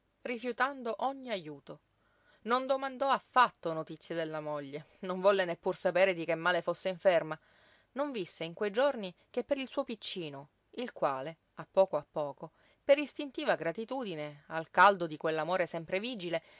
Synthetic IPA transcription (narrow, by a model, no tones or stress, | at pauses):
rifjut̪and̪oʔoɲːiajuːt̪o | nond̪omand̪ɔafːat̪ːonot̪it̪sːjed̪elːamoʎːe | noɱvɔlːenepːursapeːɾed̪ikemːaːlefosːeiɱferma | noɱvisːeiŋkwejd͡ʒornikepːeɾilsuopit͡ʃːiːno | ilkwaːle | apːɔːkoapːɔːko | peɾist̪int̪iːvaɡɾat̪it̪uːd̪inealkald̪od̪ikwelːamoːɾesɛmpɾeviːd͡ʒile